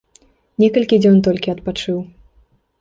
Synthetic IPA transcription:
nʲɛkɐlʲkʲid͡zʲɔnt̪ɔlʲkʲiɐt̪pat͡ʂɨw

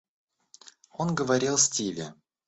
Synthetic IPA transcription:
o̞nɡəvɐɾʲilˠsʲtʲilʲɪ

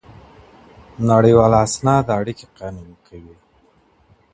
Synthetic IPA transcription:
naɽəjwɑlasnɑd̪əaɽikeqɑnulkʰawi

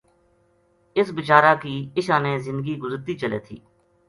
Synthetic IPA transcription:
ɪsbɪt͡ʃaːɾaːkiːɪʃãːneːzɪ̃nd̪ɡiːɡʊzəɾt̪iːt͡ʃəlḛːt̪ʰḭː

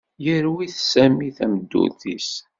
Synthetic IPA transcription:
jəɾwiθsæmiθæməd̪ːṵθis

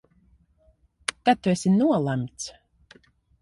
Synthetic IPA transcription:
kat̪ːuɛsʲinuɔlˠamʲt̪s

